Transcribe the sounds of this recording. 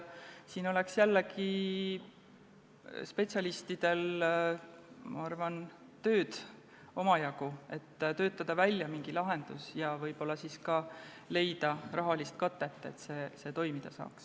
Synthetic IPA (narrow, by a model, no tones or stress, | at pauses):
siːno̞le̞ksjælːeki | spe̞t̪sʲjɑlist̪id̪̥e̞l | mʔɑ̰ɑrvɑn | t̪ø̞ːd̪̥ | o̞mɑjɑkue̞t̪ːt̪ø̞ːt̪ˑːɑd̪̥ɑvælʲjɑmiŋɡ̥ilɑɦe̞nd̪̥usjɑvɤjb̥o̞lːɑsiːskɑle̞jd̪̥ɑrʔɑɦɑlist̪̚kɑt̪ːˑe̞t̪ːˑe̞̰t̪ːse̞ːse̞t̪o̞jmid̪̥ɑsɑ̰ːks